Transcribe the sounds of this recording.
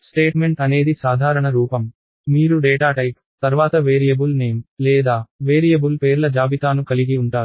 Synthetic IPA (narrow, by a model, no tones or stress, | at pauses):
sʈeːʈme̞ɳʈɐne̞ːd̪isaːd̪ʱaːɾɐɳɐɾuːpɐm | miːɾuɖeːʈaːʈɐjp | t̪ɐɾʋaːt̪ɐʋeːɾijɐbulne̞ːmlɛːd̪aːʋeːɾijɐbulpe̞ːɾlɐd͡ʒaːbit̪aːnukɐliɡiuɳʈaːɾu